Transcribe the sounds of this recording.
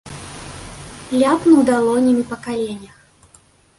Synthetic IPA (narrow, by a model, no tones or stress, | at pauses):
plʲapnuwd̪alˠɔnʲimʲipɐkalʲenʲɐx